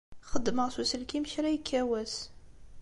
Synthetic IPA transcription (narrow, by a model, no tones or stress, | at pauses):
χəd̪ːməʁsusəlkimʃɾæjkʰːæwæs